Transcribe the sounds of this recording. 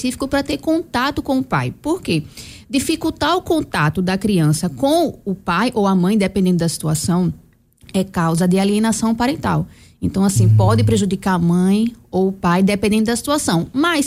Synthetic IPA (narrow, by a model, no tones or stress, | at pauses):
esifi̥kʊpɾɐt̪eɾkõnt̪at̪ʊkõʊpa̰jpoɾked̪ifikut̪aɾʊkõnt̪at̪ʊd̪ɐkɾiɐ̃sɐkõʊpajʔowɐmɐ̃j̃d̪epẽd̪ẽnd̪ʊd̪ɐsi̥t̪uasɐ̃w̃ | ɛkawzɐd̪ɪaliẽnasɐ̃w̃paɾẽnt̪a̰wẽnt̪ɐ̃w̃asĩpɔd̪ɪpɾeʒud̪ikaɾɐmɐ̃j̃owʊpajd̪epẽnd̪ẽt̪ʊdɐsi̥t̪uasɐ̃w̃mɐjs